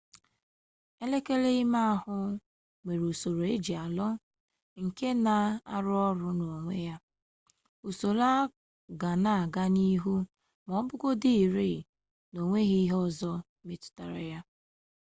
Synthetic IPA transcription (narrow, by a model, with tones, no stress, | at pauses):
e˦le˦ke˦le˦i˦ma˦a˦˨hʊ˦ | ŋʷe˨ɾu˨so˨ɾo˨e˦d͡ʒi˨a˨lɔ˦ | ŋ̩˨ke˦na˨a̰˦ɾʊ˦ɔ˦ɾʊ˦no˨ŋʷe˦ja˦ | u˨so˨la˦ | ɡa˨na˨a˨ɡa˦ni˦ɦu˦ | mɔ˨˦ɔ˦bʊ˦ɡo˦di˦i˨ɾi˦˨ | no˨ŋʷe˦ɣi˦i˦ɦɔ˦zɔ˦ | mi˦tʊ̥˨ta˨ɾa˦ja˦